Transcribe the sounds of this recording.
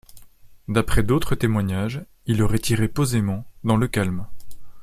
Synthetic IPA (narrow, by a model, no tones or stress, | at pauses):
d̪apχɛd̪ot̪χət̪emwaɲaʒ | ilɔʁɛt̪ʰiʁepozemɑ̃d̪ɑ̃ləkalm